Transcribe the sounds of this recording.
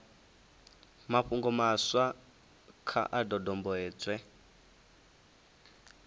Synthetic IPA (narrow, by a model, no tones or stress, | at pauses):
maɸuŋɡɔmaswa | kʰa̰ʔadɔdɔmbɔɛːt͡swɛ